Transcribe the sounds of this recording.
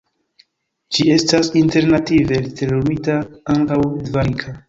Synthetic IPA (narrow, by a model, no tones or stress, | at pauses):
d͡ʒie̞stasinte̞ɾnative̞ltelomitaaŋkawdvaɾikʰa